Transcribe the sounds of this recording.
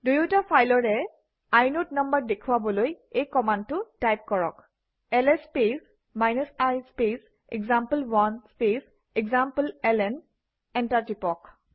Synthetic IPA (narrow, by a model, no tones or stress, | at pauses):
dujutapʰajlɔɹɛ | ajnotnɔmbəɹdekʰuwabɔloj | ejkɔmandtʊtajp̚kɔɹɔ̰k | ɛlɛspes | majnɔsajspes | ɛɡzampəlwɔnspes | ɛɡzampəlɛlɛn | ɛntatipɔk